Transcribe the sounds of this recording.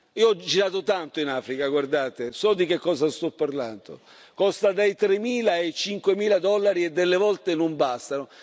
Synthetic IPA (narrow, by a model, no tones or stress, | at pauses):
iːoɔd͡ʒːiɾaːt̪ot̪ant̪oinaːfɾikaɡward̪aːt̪esɔd̪ikekːɔːsast̪ɔpːarland̪o̰ | kɔst̪ad̪ejt̪ɾemiːlaet͡ʃiŋkwemiːlad̪ɔlːaɾiɛd̪ːelːevɔlt̪enombast̪ano